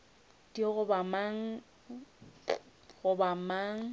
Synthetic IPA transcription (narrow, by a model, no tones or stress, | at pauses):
d̥iɣʊbamaŋ̩ | ɣʊbamaːŋ̩